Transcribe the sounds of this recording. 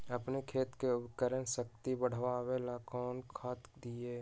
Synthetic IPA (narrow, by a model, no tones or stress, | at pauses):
əpnekʰeːt̪keʊbkəɾənsək̚t̪ibəɽ̤ʋaːwelakɔːnkʰaːt̪d̪ieː